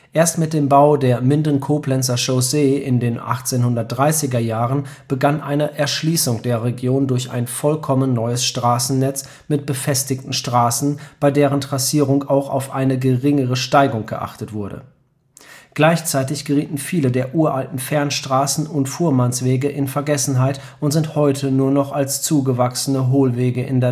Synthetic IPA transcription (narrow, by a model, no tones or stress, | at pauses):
ʔeːɐstmɪt̚d̥eːmbaʊdeːɐmɪndənkʰoːplɛnt͡sɐʃoʊzeɪndeːnʔa̰χt͡seːnhʊndɐt̚d̥ʁaɪsɪɡɐjaːʁənb̥əɡanʔa̰ɪnəʔɛɐʃliːsʊŋd̥eːɐʁeɡjoːndʊɐça̰ɪnfɔlkʰɔmənːɔʏəsʃtʁ̥aːsn̩nɛt͡s | mɪt̚b̥əfɛstɪktn̩ʃtʁ̥aːsn̩b̥aɪdeːʁ̞əntʁ̥asiːʁʊŋaʊxa̰ʊfʔaɪnəɡəʁɪŋəʁəʃtaɪɡʊŋɡ̥ə̰ʔa̰χtətv̥ʊɐdə̰ | ɡ̥laɪçt͡saɪtɪçɡ̥əʁiːtn̩fiːlədeːɐʔuːɐʔaltn̩fɛɐnʃtʁ̥aːsn̩ʊntfuːɐmansv̥eːɡəʔɪnfɛɐɡɛsn̩ɦaɪt | ʔʊntz̥ɪnthɔʏtʰənuːɐnɔχalst͡suːɡəvaksənəɦoːlveːɡəʔɪ̰ndeɐ